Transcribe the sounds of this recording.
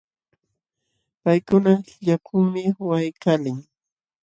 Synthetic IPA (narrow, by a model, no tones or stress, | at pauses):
pajkʊnaʎakʰʊŋmɪwajkalɪŋ